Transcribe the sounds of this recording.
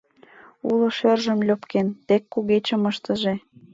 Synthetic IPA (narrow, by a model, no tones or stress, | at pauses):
ulə̆ʃerʒəmlʲøpkent̪ekːuɣet͡ɕəməʃt̪ə̆ʒe